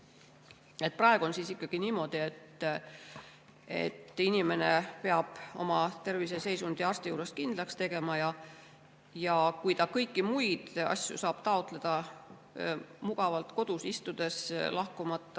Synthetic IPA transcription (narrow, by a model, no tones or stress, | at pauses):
e̞t̪̚prɑeɡ̥uo̞nsiːsikˑːɑɡ̥iniːmo̞d̪̥ie̞t̪ː | e̞̰t̪ːˑinʲime̞ne̞pe̞ɑb̥o̞mɑt̪e̞rvise̞se̞jsund̪̥iɑrst̪ijuːɾe̞skind̪̥lɑkst̪e̞ɡ̥e̞mɑjɑ | jɑkujt̪ɑkɤjkːimujd̪̥ɑ̰sʲjṵsɑːb̥t̪ɑot̪ˑle̞d̪̥ɑ | muɡ̥ɑvɑlt̪ko̞d̪̥usist̪ud̪̥e̞slɑhkumɑt̪ˑːɑ